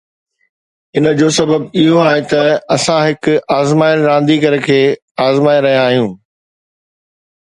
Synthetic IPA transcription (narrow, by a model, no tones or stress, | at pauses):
ɪnə̆d͡ʑosɐbəbɪɦoaːɦet̪ɐɐsãɦɪkʊaːzmaːɪɾãːnd̪ikɐɾəkʰeː | aːzmaːiɾɐɦijãaːɦijũː